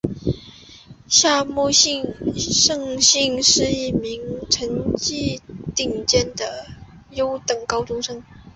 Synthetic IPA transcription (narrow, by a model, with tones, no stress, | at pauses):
ɕja˥˧mu˥˧ɕi˥˩ŋʂɤ˥˧ŋɕi˥˧ŋʂɻ̩˥˧i˥˩mi˧˥ŋʈ͡ʂʰə˧˥ŋt͡ɕi˥˧t̪i˥˩ŋt͡ɕjɛ˥nd̪ə˨ | jo˥ʊt̪ɤ˨˩ŋkɑ˥ʊʈ͡ʂʊ˥ŋʂɤ˥ŋ